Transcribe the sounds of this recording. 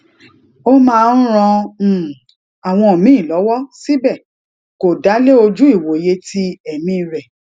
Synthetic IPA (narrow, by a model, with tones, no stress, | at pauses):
o˦mãː˦˧n̩˦ɾ̃ɔ̃˧˨ | a˨w̃ɔ̃˧o˨mĩ˦ĩ˦˨lɔ˨˦wɔ˦si˦bɛ˦˨ | ko˨da˨˦le˦o˧d͡ʒu˦i˦˨wo˨je˧˦ti˦ɛ˨mĩ˧ɾɛ˨